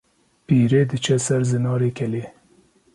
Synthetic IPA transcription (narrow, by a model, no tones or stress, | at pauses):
piːɾeːd̪ɨt͡ʃʰɛsɛɾzɨnɑːɾeːkʲʰɛleː